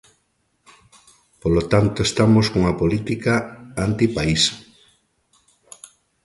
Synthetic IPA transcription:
polot̪ant̪oest̪amoskoŋapolit̪ikaant̪ipaisḁ

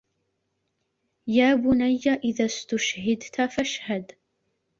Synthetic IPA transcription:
jaːbʊnajːaʔɪðaːst̪ʊʃhɪd̪t̪afaʃhad̪

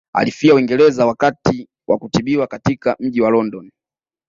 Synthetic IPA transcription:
a̰lifiawiŋɡɛlɛzawakati | wʔa̰kutiɓiwakatikam̩ʄiwalɔndɔn

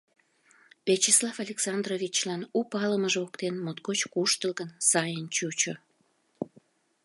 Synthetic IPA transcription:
βet͡ɕislɑfɑlʲeksɑnd̪rovʲit͡ɕlɑnupɑləməʒokt̪enmot̪kot͡ɕkuʃt̪əlɣənsɑjənt͡ɕut͡ɕo

